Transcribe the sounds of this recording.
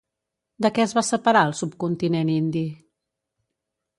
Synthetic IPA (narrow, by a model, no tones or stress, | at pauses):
d̪əkɛəzβasəpəɾaəlˠsup̚kunt̪inenind̪i